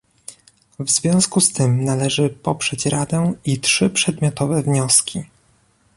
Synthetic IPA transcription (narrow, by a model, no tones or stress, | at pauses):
vzvʲjɔ̃w̃skust̪ɘmnalɛʐɘpɔpʂɛt͡ɕɾʔad̪ɛitʂɘpʂɛd̪mʲjɔt̪ɔvɛvɲɔskʲʰi